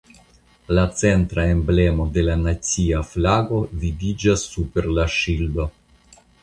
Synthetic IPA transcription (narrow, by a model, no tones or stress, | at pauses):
lat͡sent̪ɾaemblemod̪e̞lanat͡siaflaɡo̞vivid͡ʒasːupeɾlaʃilbo